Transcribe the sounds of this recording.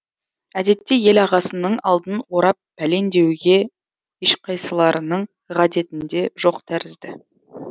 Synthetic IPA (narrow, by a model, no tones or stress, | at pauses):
æd̪e̞t̪ːe̞je̞lɑʁɑsənəɴɑ̰lˠd̪ənwo̞ɾɑp̚ːæle̞nd̪e̞wɡʲe̞ | eʃqʰɑjsəlˠɑɾənəɴ | ʁɑd̪e̞t̪ɪnd̪e̞ʒo̞qt̪ʰæɾɪzd̪ɪ